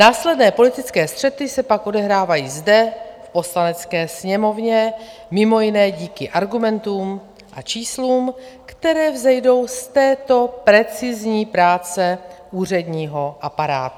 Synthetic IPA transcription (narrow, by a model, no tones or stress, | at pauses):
naːslɛdnɛːpo̞lɪt̪ɪt͡skɛːst̪r̝̥ɛt̪ɪsɛpakʔo̞dɛɦɾaːvajiːzdɛfpo̞slanɛt͡skɛːsɲɛmo̞vɲɛmɪmo̞jɪnɛːɟiːkɪʔaɾɡumɛnt̪uːm | ʔa̰t͡ʃiːsluːmkt̪ɛɾɛːvzɛjdo̞wst̪ɛːt̪o̞pɾɛt͡sɪzɲiːpɾaːt͡sɛʔuːr̝ɛdɲiːɦo̞ʔapaɾa̰ːt̪u